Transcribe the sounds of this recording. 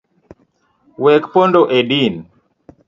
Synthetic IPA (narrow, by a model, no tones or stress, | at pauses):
wɛkpondoʔedin